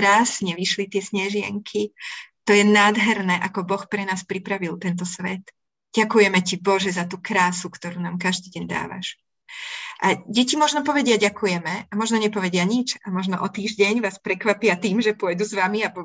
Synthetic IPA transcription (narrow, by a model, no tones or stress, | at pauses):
ɾazɲɛʋiʃlit̪ɪɛsɲɛʒɪɛ̰ŋkʰit̪ɔjɛnaːd̪ɦɛɾnɛːʔakɔbɔxpɾɛnaːspɾipɾaʋilt̪ɛnt̪̬ɔsʋɛ̰t̪ | ɟ̥akujɛmɛcibɔʒɛzat̪uːkɾaːsukt̪ɔɾuːnaːmkaʒd̪iːɟɛɲd̪a̰ːʋa̰ʃ | ʔaɟɛcimɔʒnɔpɔʋɛɟɪaɟakujɛmɛamɔʒnɔɲɛpɔʋɛɟɪaɲit͡ʃamɔʒnɔʔɔt̪iːʒɟɛɲʋaːspɾɛkʋapɪat̪iːmʒɛpʊɔjd̪uzʋamiabɔ